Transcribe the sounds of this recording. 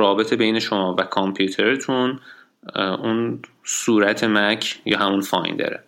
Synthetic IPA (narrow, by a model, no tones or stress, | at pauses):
ɾɒːbe̞t̪ʰebejne̞ʃo̞mɒːvækʰompʰjuːt̪ʰeɾet̪ʰun | un | suːɾæt̪ʰemæcʰjɒːɦæmunfɒ̰ːjnd̪ɒ̰ɾḛ